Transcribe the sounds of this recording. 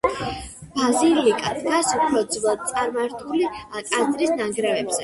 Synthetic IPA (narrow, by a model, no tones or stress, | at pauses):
b̥azilikʼad̪ɡasupʰɾɔd̪zvlˠad̪̥̚t̪sʼaɾmaɾt̪ʰuliakʼad̪ɾisnaɡɾɛvɛbz̥ɛ